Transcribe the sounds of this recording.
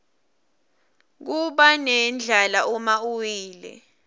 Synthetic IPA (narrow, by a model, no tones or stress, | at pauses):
k̬uɓanɛnd͡ɮʱalaʔumauwiːlɛ̰